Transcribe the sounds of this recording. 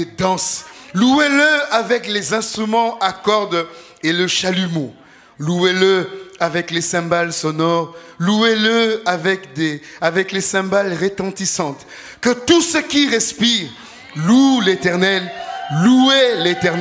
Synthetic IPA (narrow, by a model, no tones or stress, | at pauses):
ed̪ɑ̃slueləavɛklezɛ̃st̪χymɑ̃akɔʁd̪ | eləʃalymɔ̃ | lueləavɛklesɛ̃balsɔnɔʁlueləavɛkd̪eavɛklesɛ̃balʁet̪ɑ̃t̪isɑ̃t̪ | kət̪usəkʲiʁɛspiʁ | lulet̪ɛʁnɛlluelet̪ɛ